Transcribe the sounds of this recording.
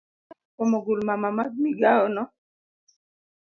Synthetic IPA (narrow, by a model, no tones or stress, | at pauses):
ɔmoɡulmamamaɡ̚miɡaɔnɔ